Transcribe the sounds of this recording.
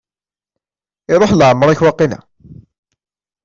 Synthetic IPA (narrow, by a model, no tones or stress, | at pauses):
ɪðˤoħlʕəmːɾˤaçwɑqːinæ̰